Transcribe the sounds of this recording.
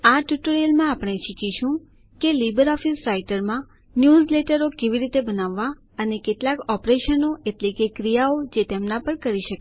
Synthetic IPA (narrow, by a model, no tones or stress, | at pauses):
aʈjuʈoɾelmãapɳ̃eʃikiʃũ | kelibəɾɔfisɾaiʈəɾmã | njuzleʈəɾokeʋiɾit̪ebənaʋːa | ənekeʈlakɔpɾeʃənoʔeʈlekekɾijaod͡ʒet̪emnapəɽkəɾiʃək